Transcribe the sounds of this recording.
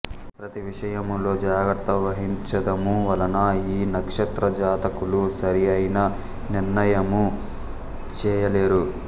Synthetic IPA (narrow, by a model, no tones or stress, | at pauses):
pɾɐt̪iʋiʂɐjɐmlo̞ːd͡ʒaːɡɾɐt̪ɐʋɐɦiɲt͡ʃɐd̪ɐmuʋɐlɐnɐiːnɐkʂɐt̪ɾɐd͡ʒaːt̪ɐkulusɐɾijɐjnɐ | niɾnɐjɐmu | t͡ʃɛːjɐleːɾu